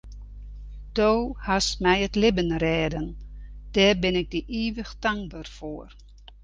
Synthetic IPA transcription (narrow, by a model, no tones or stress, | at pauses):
d̥oːhasmɛjətlɪbənrɛːdənd̥ɛːrbɪnɪk̚dəʔiːʋəxtaŋ̚bərfoːər